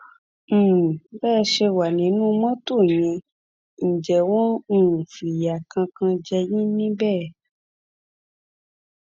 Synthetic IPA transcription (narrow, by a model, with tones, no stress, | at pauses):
bɛː˦˧ʃe˧wa˨nĩ˨˦nũ˦mɔ̃˦to˦˨j̃ɛ̃˧ | ñ̩˨d͡ʒɛ˨w̃ɔ̃˦˨fi˨ja˨kã˧kã˧d͡ʒɛ˧ji˦nĩ˦bɛː˦˨